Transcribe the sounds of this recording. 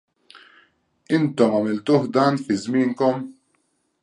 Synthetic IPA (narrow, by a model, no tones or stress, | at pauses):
ɪnt̪ɔmɐmɪlt̪uːħd̪ɐːnfɪzmɪːnkɔm